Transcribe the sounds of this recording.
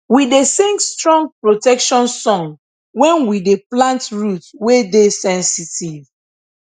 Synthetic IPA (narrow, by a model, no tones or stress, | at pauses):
widesɛ̃ŋstɹɔ̃ŋpɹotɛkʃɔ̃nsɔ̃ŋ | wɛ̃nwideplãntɹutwedesɛ̃nsitiv